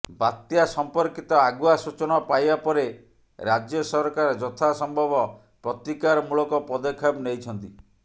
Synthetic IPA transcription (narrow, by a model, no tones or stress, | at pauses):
bat̪jasɔmpɔɾkit̪ɔaɡuasut͡ʃɔnɔpajbapɔɾe | ɾad͡ʒjɔsɔɾkaɾɔd͡ʒɔt̪ʰasɔmbʱɔbɔ | pɾɔt̪ikaɾɔmulɔkɔpɔd̪ɔkʰabnejt͡ʃʰɔnt̪i